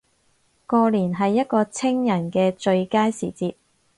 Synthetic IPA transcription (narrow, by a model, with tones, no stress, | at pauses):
kɔː˧liː˨˩nɦɐ˨jːɐ˥t̚kɔː˧t͡sʰɪ˥ŋjɐ˨˩nkɛː˧t͡ʃɵ˧ɥkaː˥jsiː˨˩t͡siː˧t̚